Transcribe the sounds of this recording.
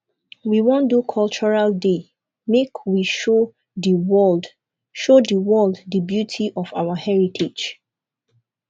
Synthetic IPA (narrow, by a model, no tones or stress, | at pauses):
wiwɔ̃ndukʰɔlt͡ʃɔɹalde | mekʰwiʃo | diwɔd | ʃodəwɛlddəbjutʰiʔɔfawahɛɹitʰed͡ʒ